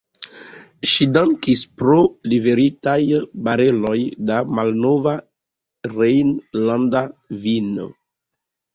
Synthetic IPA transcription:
ʃidaŋkispɾoliveɾitajbaɾelojdamalnova | ɾejnlãndavino̰

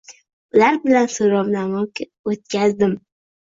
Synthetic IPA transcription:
ʊlaɾbɪlansoɾɒwnamɒkʲa | ot̪̚kʲʰazd̪ɪm

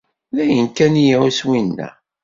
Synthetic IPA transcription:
ðæjənkænijæwswinːæ̰

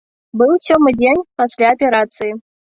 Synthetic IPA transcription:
bɨlˠsʲomɨdʲenʲpɐsʲlʲaɐpʲɪɾat̪sɨjɪ

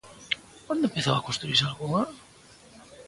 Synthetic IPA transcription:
kwand̪ʊempeθawakonst̪ɾuisalɣuŋa

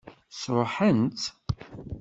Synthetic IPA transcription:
sɾˤoħənt̪

